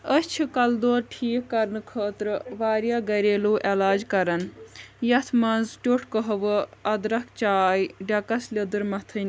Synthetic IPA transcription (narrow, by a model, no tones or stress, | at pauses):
əst͡ʃʰikɐld̪oːɾʈʰiːkːɐɾnɨkʰəːt̪ɾɨʋaːɾjaɡɐɾeːluːʔelaːd͡ʒkɐɾɐnjɐt̪ʰmɐnzʈʲoʈʰkəɦɐʋɨɐd̪ɾɐk̚ʰt͡ʃaːjɖɐkɐslʲɐd̪ɨɾmɐt̪ʰɨnʲ